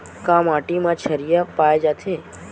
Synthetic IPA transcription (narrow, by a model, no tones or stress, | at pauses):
kãmaʈimãt͡ʃʰəɾijapajd͡ʒat̪ʰe